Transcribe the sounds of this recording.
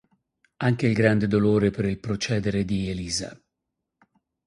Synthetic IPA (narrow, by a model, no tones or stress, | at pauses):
aŋk̟eilɡɾand̪ed̪oloːɾepeɾilpɾot͡ʃɛːd̪eɾed̪ieliːza̰